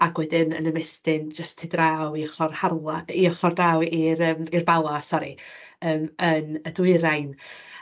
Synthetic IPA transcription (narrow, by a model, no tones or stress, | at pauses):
aɡwɛdɪnə̰nəmɛstɪnd͡ʒəstʰɪdrawiɔχɔrharlˠaiɔχɔrdrawiɾəːmirbalˠasɔɾi | əːmənədwɨɾajn